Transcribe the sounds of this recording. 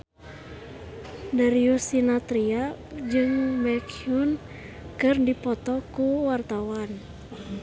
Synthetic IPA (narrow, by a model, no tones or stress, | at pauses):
daɾiusinat̪ɾiad͡ʒɨŋbɛkijun | kɨrdipɔt̪ɔkuwart̪awan